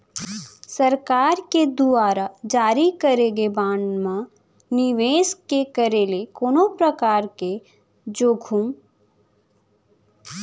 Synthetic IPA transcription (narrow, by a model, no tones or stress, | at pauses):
səɾkaːɾked̪uaːɾad͡ʒaːɾikəɾeːɡebãːnmã | nɪʋeːskekəɾeːlekoːnopɾəkaːɾke | d͡ʒoːɡʱuːm